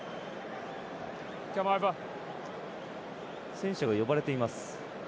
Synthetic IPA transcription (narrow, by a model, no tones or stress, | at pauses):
kʲamajba | sẽ̞ɰ̃ɕaɡajo̞baɾe̞t̪e̞imasɨ̥